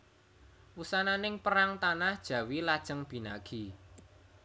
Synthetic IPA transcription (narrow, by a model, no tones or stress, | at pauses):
wusananɪŋpəɾaŋt̪anahd̥ʒ̥ä̤wilad̥ʒ̥əŋb̥i̤naɡ̥i